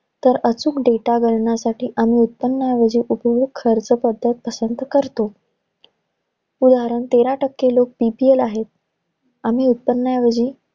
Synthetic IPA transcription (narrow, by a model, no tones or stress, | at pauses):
t̪əɾət͡suːkɖeʈaɡʱəɾɳjasaʈiːʔam̤iːut̪̚pənːəjaʋəd͡ʑiːʔupəɦukʰəɾt͡səpəd̪ʱːət̪̚pəsənt̪kəɾt̪o | ud̪aɦɾəɳt̪eɾaʈəkːelok̚pipielaɦet̪̚ | am̤iːut̪̚pənːəjaʋəd͡ʑiː